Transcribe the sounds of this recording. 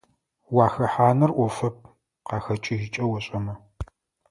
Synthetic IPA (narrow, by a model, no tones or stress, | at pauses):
waːxɐħaːnɐrʔʷɔfɐp̚ʰ | qɑːxɐt͡ʃʼɪʒɪt͡ʃʼɐwɔɕʼɐmɐ